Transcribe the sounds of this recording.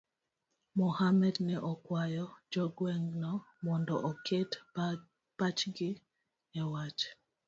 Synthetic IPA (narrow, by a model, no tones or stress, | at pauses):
mɔhamɛdnɛʔɔkwajɔd͡ʒɔɡwɛŋɡnɔmɔndɔʔɔkʰet | pat͡ʃɡɪ | ɛwat͡ʃ